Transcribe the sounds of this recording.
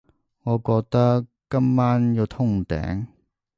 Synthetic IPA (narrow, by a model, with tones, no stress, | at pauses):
ŋɔː˨˧kɔː˧k̚t̪ɐ˥ | kːɐ˥mːaː˥nji˨˧wt̪ʰʊ˥˩ŋt̪ɛ̰ː˨˥ŋ